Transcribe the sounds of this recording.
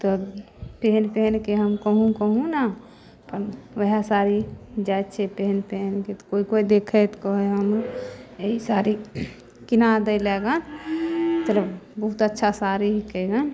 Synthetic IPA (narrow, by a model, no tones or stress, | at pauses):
t̪ɔ | peɦnpeɦnkeɦəmkəɦũkəɦũna | pənʋəɦasaɾid͡ʒajt̪t͡ʃʰɛpeɦnpeɦnket̪ɔ̥koikoid̪ekʰet̪kɔɦeɦəmɾoeɦisaɾi | kinad̪əlɛɡan | t̪ələbbəɦut̪ətːʃʰasaɾiɦkəɡan